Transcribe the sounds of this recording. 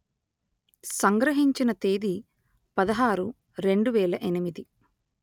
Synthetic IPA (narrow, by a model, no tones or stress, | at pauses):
sɐŋɡɾɐɦiɲt͡ʃinɐt̪eːd̪i | pɐd̪ɐɦaːɾu | ɾe̞ɳɖuʋɛːlɐʔenimid̪i